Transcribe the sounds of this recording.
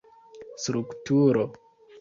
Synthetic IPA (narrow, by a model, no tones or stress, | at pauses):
stɾuktuɾo